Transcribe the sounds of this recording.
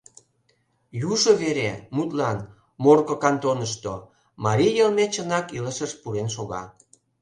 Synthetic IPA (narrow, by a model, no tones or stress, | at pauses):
juʒoβeɾemut̪lɑn | morkokɑnt̪onəʃt̪o | mɑɾʲijəlmet͡ɕənɑkiləʃəʃpuɾenʃ̬oɣɑ̰